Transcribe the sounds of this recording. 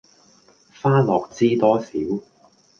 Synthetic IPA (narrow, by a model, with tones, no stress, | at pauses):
faː˥lɔː˨k̚t͡siː˥t̪ɔː˥sḭː˨˥w